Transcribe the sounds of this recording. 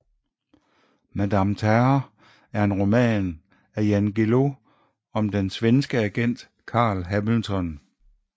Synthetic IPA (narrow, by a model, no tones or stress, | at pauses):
mæd̥æmt͡sʰæɐ | æɐe̝nʁo̝mɛ̰ːn | æjænɡ̥elo̝ | ɒ̽md̥ensʋensɡ̥əæɡ̥en̰d̥ | kʰɑ̰̈ːlɦæml̩t͡sʰɒ̽n